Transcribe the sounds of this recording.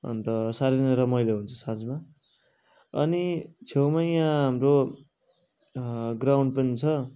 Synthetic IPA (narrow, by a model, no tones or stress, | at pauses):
ʌ̰nt̪ʌsaɾenʌɾʌmʌjleɦunt͡sʰʌsad͡zma | ʌ̰nit͡sʰewmʌjjãɦamro | ɡrawɳɖ̚pʌnit͡sʰʌ